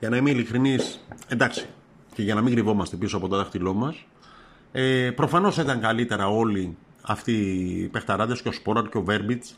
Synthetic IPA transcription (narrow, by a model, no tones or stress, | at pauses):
ʝɐnɐimeilikɾinise̞nd̪ɐksi̥ | ceʝɐnɐmiŋɡɾivo̞mɐst̪e̞pisoɐpo̞t̪oðɐxt̪ilo̞mɐs | epɾo̞fɐno̞sit̪ɐŋkɐlit̪e̞ɾɐo̞li | ɐft̪ipe̞xt̪ɐɾɐðesceo̞spo̞ɾɐɾceove̞ɾbit͡s